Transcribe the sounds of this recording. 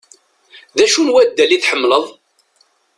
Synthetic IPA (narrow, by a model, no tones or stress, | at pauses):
ðæʃunwæd̪ːæliθħəmːləðˤ